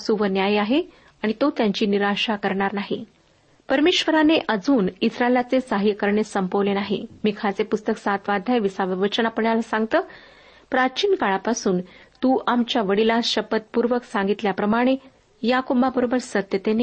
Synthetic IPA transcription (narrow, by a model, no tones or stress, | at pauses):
suʋənjajaɦe | aɽ̃it̪ot̪jaɲt͡ɕiːniɾaɕakəɾɳaɾnaɦi | pəɾmeɕʋəɾaneʔəd͡zuːnisɾaelat͡sesaɦikəɾɳesəmpəʋlenaɦḭmiːkʰat͡sepust̪əksãt̪ʋad̪ʱajʋisaʋəʋət͡ɕənapəɳjalasãŋɡ̚t̪əː | pɾat͡ɕiːnkaɭapasuːnt̪uːʔamt͡ɕjaʋəɽilaɕəpət̪̚puɾʋəksaŋɡit̪ljapɾəmaɽ̃e | jakobabəɾobəɾsət̪jət̪ene